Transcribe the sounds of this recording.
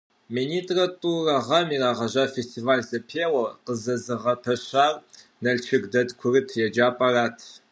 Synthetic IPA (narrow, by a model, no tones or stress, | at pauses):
minitʼratʼurɐʁɐmiːraːʁɐʒaːfestʰʼivaːlsɐpʰeːwɐqəzɐzɨʁɐpʰɐɕaːr | nɐlt͡ʃʰɪkdɐtkʷʰʊrɨtʰjɛd͡ʒaːpʼaɾaːtʰ